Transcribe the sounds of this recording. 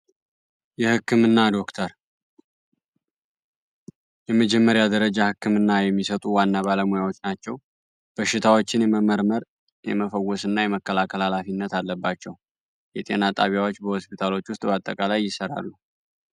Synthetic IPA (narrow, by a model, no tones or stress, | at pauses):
jɛhɨkːɨmɨnːad̪o̞kt̪ʰəɾ | jɛməd͡ʒɛmːəɾjad̪əɾəd͡ʒahɨkːɨmɨnːajɛmːisət̪ʼuwanːaβaləmujawo̞t͡ʃːnat͡ʃːɛw | b̥əʃːɪt̪ʰawo̞t͡ʃːɪnjɛməməɾməɾ | jɛ̰məfəwːɔsɨnːajɛməkːəlakʰəlalafinːət̪alːəbːat͡ʃːɛw | jɛt̪ʼe̞̰nat̪ʼaβjawo̞t͡ʃːbəhospʰit̪ʰalo̞t͡ʃːwʊst̪ʼbat̪ʼːəkʼalajːɪsəɾa̰lːu